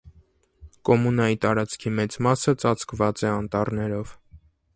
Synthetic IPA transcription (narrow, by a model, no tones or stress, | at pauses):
kɔmunɑjit̪ɑɾɑt͡skʰimɛt͡smɑsət͡sɑt͡sʰkvɑt͡sɛɑnt̪ɑrnɛɾɔv